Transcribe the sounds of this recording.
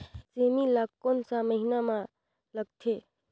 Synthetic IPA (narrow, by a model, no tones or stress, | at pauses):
semilakkonsaməɦinamã | ləɡ̚t̪ʰe